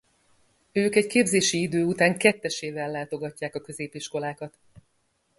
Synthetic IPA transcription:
øːkɛckeːbzeːʃiid̪øːut̪aːŋkɛt̪ːɛʃeːvɛlːaːt̪o̞ɡɒcːaːkɒkø̞zeːpiʃko̞laːkɒt̪

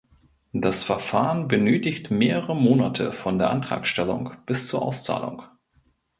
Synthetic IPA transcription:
d̥asfɛɐfaːʁənbənøːtɪçtmeːʁəʁəmoːna̰tʰə̰fɔndeːɐʔantʁ̥a̰ːksʃtɛlʊ̰ŋb̥ɪst͡suːɐʔa̰ʊst͡sa̰ːlʊ̰ŋ

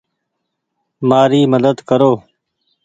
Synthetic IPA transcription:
maːɾiːməd̪əd̪kəɾoː

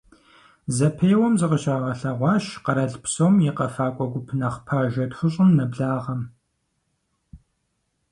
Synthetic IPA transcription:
zɐpʰejwɔmzɨqəɕʼɐʁɐɬɐʁʷɑːʃqɐɾɐɮpsoːmjiqɐfaːkʷʼɔɡʷʊpʰnɐχpʰaʒɐtxəɕʼɪmnɐbɮaːʁɐm

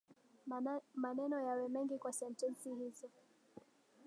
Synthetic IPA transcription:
manɛnɔjawɛmɛŋɡikwasɛntɛnsihizɔ

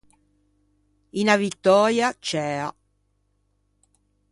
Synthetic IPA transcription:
inavit̪ːɔːɾjat͡ʃɛːa

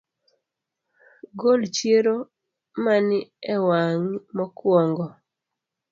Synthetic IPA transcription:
ɡolt͡ʃjeɾo | manɪɛwaŋmɔkwɔŋɡɔ

